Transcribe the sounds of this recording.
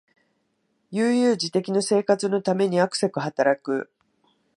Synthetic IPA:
jɯːjɯ̟ːd͡ʑit̪e̞kʲino̞se̞ːkat͡sɨnot̪ame̞ɲ̟iakɯ̟̥sekɯ̟hat̪aɾakɯ̟̰

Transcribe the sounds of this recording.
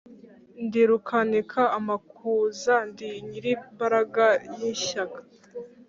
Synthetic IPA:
ndiɾukʰanikʰaamakʰuzandiɲiɾimbaɾaɡajiʃakḁ

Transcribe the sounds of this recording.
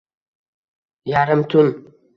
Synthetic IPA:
jaɾəmt̪un

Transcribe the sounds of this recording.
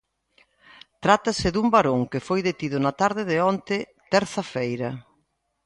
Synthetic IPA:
t̪ɾat̪asɪðumbaɾoŋkɪfojðet̪iðʊnɐt̪aɾðɪðɪɔnt̪ɪ | t̪ɛɾθɐfejɾɐ

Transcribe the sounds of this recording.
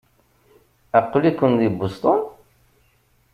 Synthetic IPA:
æqːlikːʊnðibʊst̪ˤon

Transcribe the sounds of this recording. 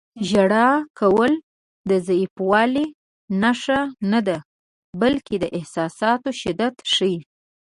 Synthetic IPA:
ʒaɽɑkawəl | d̪əzaifwɑli | naʂanad̪a | balked̪əʔɪhsɑsɑt̪oʃɪd̪at̪ʃəji

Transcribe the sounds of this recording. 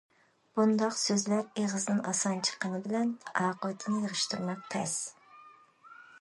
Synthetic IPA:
b̥und̪ɑqsøzlæɾeʁəznɨnɑ̰sɑnt͡ʃʰə̥qənɨbɪlɛnɑːqʊt̪ʰɨnɨjəʁəʃt̪ʰuɾmɑk̚ʲt̪ʰɛs

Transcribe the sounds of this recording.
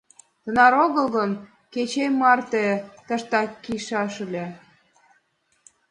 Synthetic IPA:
t̪ənɑɾoɣəlɣən | ket͡ɕejmɑrt̪et̪əʃt̪ɑkːiʃɑʃəlʲe

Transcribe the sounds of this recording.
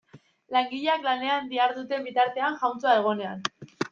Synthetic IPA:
laŋɡiʎeaklane̞and̪iaɾðut̪e̞mbit̪aɾt̪e̞aŋʝawnt͡soae̞ɣ̞o̞ne̞an

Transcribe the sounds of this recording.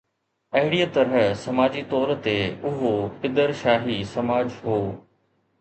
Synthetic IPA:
ɐɦɪɽijət̪ɐɾɦəsɐmaːd͡ʑit̪ɔːɾt̪eʊɦopɪd̪əɾʃaːɦisɐmaːd͡ʑɦoː

